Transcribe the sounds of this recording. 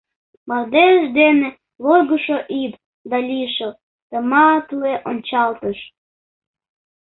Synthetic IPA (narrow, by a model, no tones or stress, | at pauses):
mɑld̪eʃd̪ene | lojɡuʃoʔip | d̪ɑlʲiʃəl | t̪əmɑt̪ueʔonʲt͡ɕɑlt̪əʃ